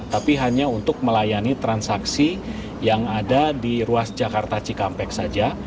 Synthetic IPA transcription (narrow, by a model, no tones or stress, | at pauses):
t̪apiɦaɲaunt̪ʊk̚məlajanit̪ɾansaksi | jaŋadadiɾuasd͡ʒakart̪at͡ʃikampɛk̚sad͡ʒa